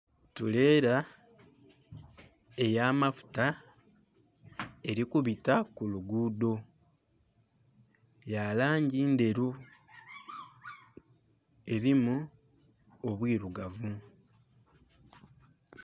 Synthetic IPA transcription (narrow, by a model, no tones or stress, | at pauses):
tule̞ːɾa | e̞jaːmafu̥ta | e̞ɾikuβitakuluɡuːdo̞ | jalaːɲɟiːnde̞ɾu | e̞ɾimu | o̞βwiːɾuɡavu